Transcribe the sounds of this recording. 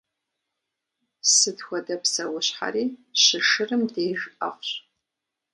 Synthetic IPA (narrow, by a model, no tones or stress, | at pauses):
sɨdxʷɐdɐpsɐwʊɕħa̰ɾiːɕɨʂɨrɨmdeːʒɐ̰qʷɕ